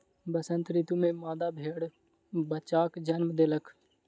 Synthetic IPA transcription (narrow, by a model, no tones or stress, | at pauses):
bəsə̃nt̪ɾit̪umẽmaːd̪abʱeːɽ | bət͡ʃaːkd͡ʒənməd̪eləkʰ